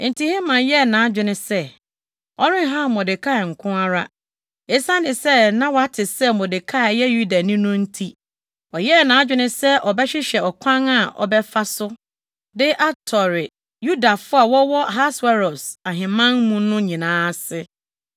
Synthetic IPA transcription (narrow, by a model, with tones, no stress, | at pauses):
n̩˨tʰi˨hɛ˦mã˨jɛ˦˨nãː˨a˦d͡ʑᶣɪ˨nɪ̃˦sɛ˦ | ɔ˦ɾɪ̃˦ɦã˦˨mɔ˨dɪ˨kʰa˦˨ŋ̩˨kʰʊ̃˦a˦ɾa˦ | e˦sã˦nɪ̃˨sɛ˦nã˦wɔ˨a˦tʰɪ˨sɛ˦mɔ˨de˨kʰa˦˨jɛ˦ju˦da˨nɪ̃˦nʊ̃˦n̩˦tʰi˦ | ɔ˨jɛ˦˨nã˨˦d͡ʑᶣɪ˦nɪ̃˦sɛ˦ʔɔ˨bɛ˦ɕɪ˦ɕɛ˨ɔ˨kʷʰã˦ŋa˨ʔɔ̰˨bɛ˦fa˦sʊ˦ | dɪ˦ʔa˦tʰɔ˨ɾɪ˨ | ju˦da˨fʊ˦a˨wɔ˦wɔ˦ɦa˦swɛ˦ɾɔ˨sa˨ɦɪ̃˨mã˦nmũ˦nʊ̃˦ɲĩ˨nãː˦sɪ˦